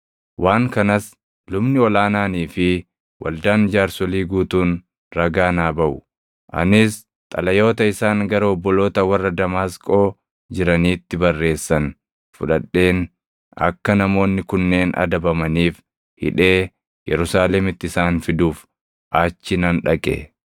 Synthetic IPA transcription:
wʔaːŋkɐnɐs | lʊmnɪɔlaːnaːniːfɪ | wʔɐ̰ld̪aːnd͡ʒaːɾsɔliːɡuːt̪uːn | ɾɐɡaːnaːbɐʔʊ | ʔɐ̰nɪs | t̪ʼɐlɐjo̞ːt̪ɐɪsaːŋɡɐɾɐɔbːɔlo̞ːt̪ɐwɐrːɐd̪ɐmaːskʼo̞ː | d͡ʒɪɾɐniːt̪ːɪbɐrːe̞ːsːɐn | fʊ̰ᶑɐᶑːe̞ːn | ɐ̰kːɐnɐmo̞ːnːɪkʊnːe̞ːnɐ̰d̪ɐbɐmɐniːf | hɪ̰ᶑe̞ː | jɛ̰ɾʊsaːlɛmɪt̪ːɪsaːnfɪd̪uːf | ʔaːt͡ʃːɪnɐnᶑɐkʼḛ

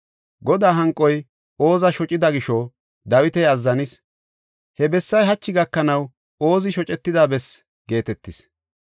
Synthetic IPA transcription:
ɡɔd̪aːɦɐŋkʼːɔj | o̞ːzɐʃɔt͡ʃʼɪd̪ɐɡɪʃɔ | d̪ɐwɪt̪ɛjɐzːɐnɪs | hɛbɛsːɐjɦɐt͡ʃːɪɡɐkːɐnɐw | o̞ːzɪʃɔt͡ʃʼɛt̪ːɪd̪aːbɛs | ɡe̞ːt̪ɛt̪ːɪs

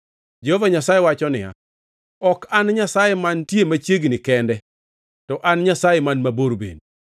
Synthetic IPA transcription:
d͡ʒehovaɲasajɛwat͡ʃɔnɪja̰ | ɔkanɲasajɛmantjemat͡ʃjeɡnɪkɛndɛ | tɔʔanɲasajemanmaboɾbḛn

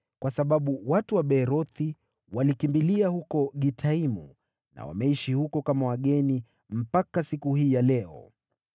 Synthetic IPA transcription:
kwasaɓaɓuwatuwaɓɛɾɔθi | walikimbiliahukɔɠitʰaimṵ | na̰wa̰mɛiʃihukɔkamawaɠɛni | m̩pakasikuɦiːjalɛɔ̰

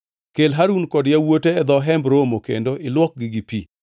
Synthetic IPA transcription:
kelɦaɾunkɔdjawoteːd̪ɔɦɛmbɾomokḛndoʔɪlwɔk̚ɡiɡipḭ

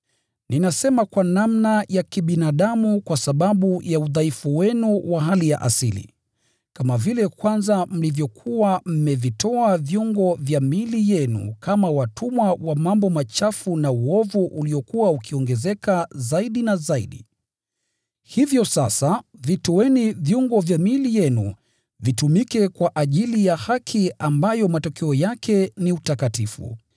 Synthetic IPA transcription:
ninasɛmakwanamnajakiɓinaɗamukwasaɓaɓujauðaifuwɛnuwaɦalija̰ʔa̰silḭ | kamavilɛkwanzam̩livjɔkʰuwam̩mɛvitɔavjuŋɡɔvjamilijɛnṵkamawatʰumwawamambɔmat͡ʃafunauɔvuʔuliɔkuwaukʰiɔŋɡɛzɛkazaiɗinazaiɗḭ | hivjɔsasavitɔwɛnivjuŋɡɔvjamilijɛnṵ | vitumikɛkwaʔaʄilijahakʰiambajɔmatɔkɛɔjakʰɛniutakatifṵ

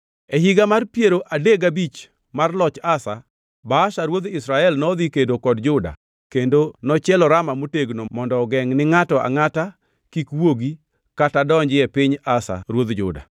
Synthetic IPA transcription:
ɛhiɡamarpjeɾoʔadeɡabit͡ʃ | marlɔt͡ʃasa̰ | baːʃaɾwod̪ɪsɾaɛlnɔd̪ikedokɔdd͡ʒʊda̰ | kendonɔt͡ʃɛlɔɾamamoteɡnomɔndɔɡɛŋnɪŋatɔʔa̰ŋata | kikwoɡi | katadɔɲd͡ʒɪɛpɪɲasa̰ɾwod̪d͡ʒʊ̰da̰

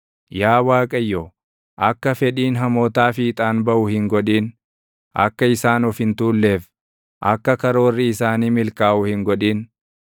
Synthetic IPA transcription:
jaːwaːkʼɐjːɔː | ʔɐkːɐfɛᶑiːnɦɐmoːt̪aːfiːt̪ʼaːnbɐʔʊhɪŋɡɔᶑiːn | ʔɐ̰kːɐɪsaːnɔfɪnt̪uːlːe̞ːf | ʔɐkːɐkɐɾo̞ːrːɪɪsaːniːmɪlkaːʔʊhɪŋɡɔᶑiːn

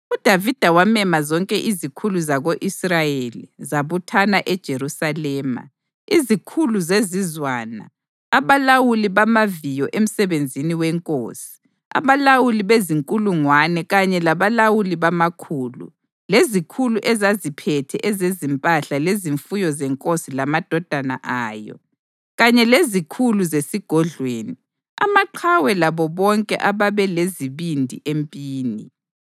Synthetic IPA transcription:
ud̥ʱavid̥ʱawamɛmazɔŋkʼɛʔizikʰuluzaɣoʔisrajelizaβutʰanaʔɛd̥ʒ̥ʱeɾusalɛːma̰ | izikʰuluzezizwaːna̰ː | βalawuliβamavijɔʔem̩sɛβend͡zʱiniwɛŋkʼo̰ːsi̥ | a̰βalawuliβeziŋkʼuluŋwanɛɣaɲɛlaβalawuliβamakʰuːlṵ | lezikʰuluʔɛzazipʰɛtʰɛʔɛzezimpʼaɬaleziɱfujɔzɛŋkʼosilamad̥ʱɔd̥ʱana̰ʔaːjɔ̰ | ɣaɲɛlezikʰuluzesiɡ̥ʱɔɮweːni | a̰maǃʰawɛlaβɔβɔŋkʼɛ̰ʔaβaβɛleziβindʱḭʔempʼiːni

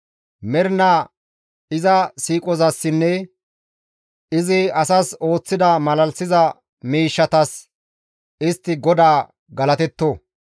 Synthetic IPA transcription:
mɛɾnaː | ɪzɐsiːkʼɔzɐsːɪnːɛ | ɪzɪɐsɐso̞ːt͡sːɪd̪ɐmɐlɐlsɪzɐ | miːʃːɐt̪ɐs | ɪst̪ːɪɡɔd̪aː | ɡɐlɐt̪ɛt̪ːo

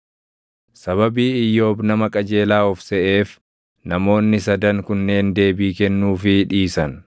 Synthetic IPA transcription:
sɐβɐbiːɪjːo̞ːbnɐmɐkʼɐd͡ʒe̞ːlaːɔfsɛʔe̞ːf | nɐmo̞ːnːɪs̬ɐd̪ɐŋkʊnːe̞ːnd̪e̞ːbiːkɛnːuːfɪᶑiːsɐn

